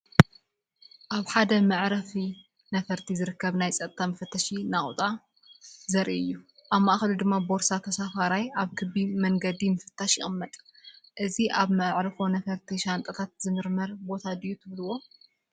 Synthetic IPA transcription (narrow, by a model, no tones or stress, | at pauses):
ʔaβħad̪ɐmɐʕɾɐfi | nɐfɐɾt̪ʰizɨɾɨkːɐβnajt͡sʼɐt̪ʼt̪ʰamɐfɐt̪ʰːɐʃinaχʼut̪ʼa | zɐɾʔiɨjːu | ʔaβmaʔaxɐlud̪ɨmːabo̞ɾsat̪ʰɐsafaɾajaβkʰɨβimɐŋɡɐd̪imɨfɨ̥t̪ʰːaʃjɪ̰χʼɨmːɐt̪ʼʔɨziʔaβmɐʔʕɾɐfo̞nɐfɐɾt̪ʰiʃant̪ʼɐt̪ʰat̪zɨmɨɾmɐɾbo̞t̪ʰad̪ɨjːut̪ʰɨβluwo̞